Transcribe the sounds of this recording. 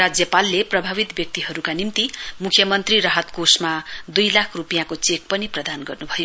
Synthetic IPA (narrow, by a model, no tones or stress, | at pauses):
rad͡zjʌpalːeprʌbʱaβit̪bjʌk̚t̪iɦʌɾukanimt̪imukʰjʌmʌnt̪riɾaɦʌt̪kosmad̪ujlakʰrupijãkot͡sek̚pʌniprʌd̪anɡʌrnubʱʌjo